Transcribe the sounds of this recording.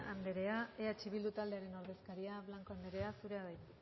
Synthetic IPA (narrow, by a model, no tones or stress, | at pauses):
and̪eɾe̞aeat͡ʃiβild̪ut̪ald̪e̞aɾe̞no̞ɾðe̞skaɾiaβlaŋko̞and̪e̞ɾe̞asuɾe̞aðej